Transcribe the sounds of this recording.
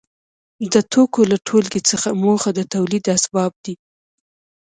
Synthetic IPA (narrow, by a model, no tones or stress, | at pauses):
d̪ət̪okolaʈʰolɡet͡səxamoxad̪ət̪awlid̪asbɑb̚d̪i